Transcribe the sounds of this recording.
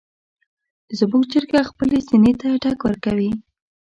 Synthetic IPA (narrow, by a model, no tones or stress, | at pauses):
zmuɡt͡ʃəɾɡaxpəlesinet̪aʈɑkwəɾkawi